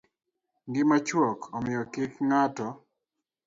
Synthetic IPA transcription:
ŋɡɪmat͡ʃwɔkʰɔmɪjɔkɪkŋatɔ

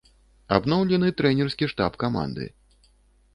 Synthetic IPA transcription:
abnɔwlʲɛnɨt̪ɾɛnʲɛrskʲiʂt̪apkama̰nd̪ɨ̰

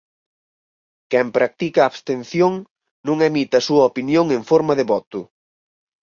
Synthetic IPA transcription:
kɛmpɾak̚t̪ikaːβst̪en̟θjoŋ | nũŋɛmit̪ɐsuɐopinjoŋeɱfoɾmɐðɪβɔt̪ʊ

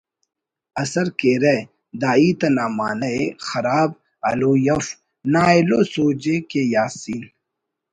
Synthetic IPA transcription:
ɐsɐɾkeːɾɐ | d̪aːiːt̪ɐnaːma̰ːnɐexɐɾaːb̚ | ɐ̰loːjɐf | naːelosoːd͡ʑekejaːsiːn

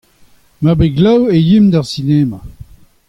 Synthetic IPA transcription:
mabeɡlawejimd̪aʁsineːma

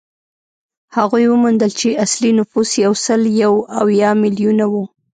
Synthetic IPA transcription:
haɣujwəmund̪əlt͡ʃeʔaslinʊfusjawsəljawawjɑmɪlijunawu

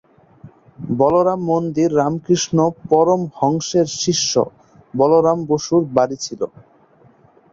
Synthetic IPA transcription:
bɔloɾamːond̪iɾːamkɾiʃnopɔɾomhɔŋʃeɾʃiʃːo̰ | bɔloɾamboʃuɾbaɾit͡ɕʰilo̰

